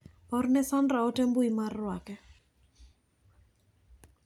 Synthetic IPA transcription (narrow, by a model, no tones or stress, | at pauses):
ɔrnɛsandɾaɔtɛmbʊimarːwakɛ